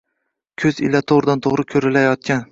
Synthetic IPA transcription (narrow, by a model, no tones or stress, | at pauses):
kʲʰɵzɪ̰lat̪ʰoʁɾɪd̪ant̪ʰoʁɾɪkʲʰɵɾɪlajɒt̪̚kʲan